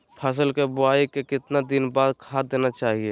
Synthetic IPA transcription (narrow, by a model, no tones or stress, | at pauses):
pʰəs̬əlkebʊaːikekɪt̪nad̪ɪnbaːd̪kʰad̪eːnat͡ʃaːɦie